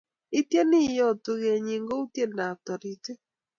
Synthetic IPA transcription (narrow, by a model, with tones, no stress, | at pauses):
ɪ˦tje˦nɪ˦˨jɔ˦˨to˨ɣe˨ɲi˨ŋɡo˦u˦tje˦˨na˨tɔ˨ɾi˨te˦